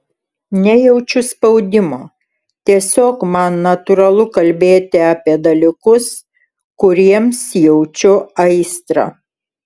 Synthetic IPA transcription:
nʲɛjɛʊt͡ʃʲʊspɐʊd̪ʲɪmoː | t̪ʲiɛsʲoːkmɐnːɐt̪ʊɾɐlˠʊkɐlʲbʲeːt̪ʲɪɑːpʲiɛd̪ɐlʲɪkʊs | kʊɾʲiɛmsjɛʊt͡ʃʲʊɐɪst̪ɾɐ̰

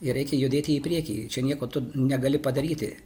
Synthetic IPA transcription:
ɪɾʲɛɪkʲɛjʊd̪ʲeːt̪ʲɪɪpʲɾʲiɛkʲḭːt͡ʃʲɛnʲiɛkoːt̪ʊnʲɛɡɐlʲɪpɐd̪ɐɾʲiːt̪ʲɪ̰

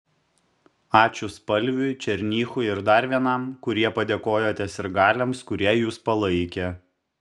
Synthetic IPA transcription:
ɑːt͡ʃʲʊspɐlʲʋʲʊt͡ʃʲɛɾʲnʲiːxʊɪɾd̪ɐɾʲʋʲiɛnɑmkʊɾʲiɛpɐd̪ʲeːkoːjoːt̪ʲɛsʲɪɾɡɑːlʲɛmskʊɾʲiɛjuːspɐlˠɐɪkʲe

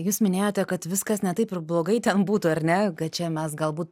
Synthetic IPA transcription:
juːsmʲɪnʲeːjoːt̪ʲɛkɐt̪ʋʲɪskɐsnʲɛt̪ɐɪpɪɾblˠoːɡɐɪt̪ʲɛnbuːt̪ʊɐɾʲnʲɛkɐt̪t͡ʃʲɛmʲɛs̬ɡɐlˠbuːt̪

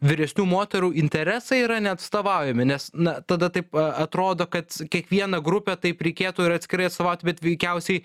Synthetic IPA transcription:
ʋʲɪɾʲɛsʲnʲuːmoːt̪ʲɛɾuːɪnʲt̪ʲɛɾʲæsɐɪiɾɐnʲɛɐt̪st̪oːʋɑʊjɛmʲɪnʲɛsnɐt̪ɐd̪ɐt̪ɐɪpɐt̪ɾoːd̪oːkɐt̪kʲiɛkʋʲiɛnɐɡɾʊpʲɛt̪ɐɪpɾʲɛɪkʲeːt̪uːɪɾɐt̪sʲkʲɪɾɐɪɐt̪st̪oːʋɐʊt̪ʲbʲɛt̪ʋʲɛɪkʲɛʊsʲɛɪ

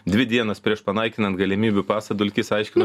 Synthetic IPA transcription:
d̪ʲʋʲɪd̪ʲiɛnɐspʲɾʲiɛʃpɐnɐɪkʲɪnɐnt̪ɡɐlʲɪmʲiːbʲupɑːsɐd̪ʊlʲkʲɪsɐɪʃʲkʲɪnɐ

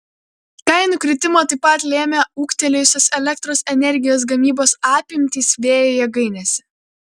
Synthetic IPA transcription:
kɐɪnuːˑkɾʲɪt̪ʲɪmoːt̪ɐɪpɐt̪ʲlʲeːmʲɛuːkt̪ʲɛlʲejsʲoːsɛlʲɛk̚t̪ɾoːsɛnʲɛɾʲɡʲɪjoːs̬ɡɐmʲiːboːsɑːpʲɪmʲt̪ʲiːsʋʲeːjoːjɛɡɐɪnʲɛsʲɛ

